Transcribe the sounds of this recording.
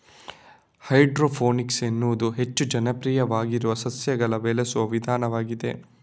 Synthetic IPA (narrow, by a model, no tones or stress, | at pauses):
hɐjɖɾoːpʰoːniksenːud̪uɦe̞t͡ʃːud͡ʒɐnɐpɾiːjɐʋaːɡiɾuʋɐsɐsjɐɡɐɭɐʋeːlesuʋɐʋid̪ʱaːnɐʋaːɡid̪e̞̰